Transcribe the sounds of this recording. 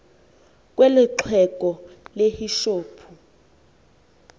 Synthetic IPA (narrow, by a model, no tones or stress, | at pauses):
k̬ʼwelɪǁʰɛkʼɔlehiʃoːpʰu